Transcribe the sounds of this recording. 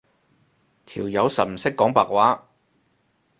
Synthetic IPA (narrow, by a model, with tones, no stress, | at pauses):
t̪ʰiː˨˩wjɐ˨˧wsɐ˨t̚m̩˨˩sɪ˥kːɔː˨˥ŋpaː˨k̚waː˨˥